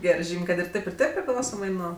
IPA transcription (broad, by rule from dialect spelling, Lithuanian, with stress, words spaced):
ˈɡʲæːrɜ ˈʒʲiːmʲ ˈkɐt ɪr ˈtʲeːp ɪr ˈtʲeːp pʲrʲɪˈklˠɐʊsoːmɐɪ ˈnuɔ